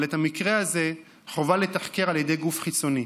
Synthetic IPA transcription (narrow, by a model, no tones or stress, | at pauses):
let̪amikʁeaze̞ | χo̞valet̪aχke̞ʁalje̞de̞jɡufχit͡so̞ni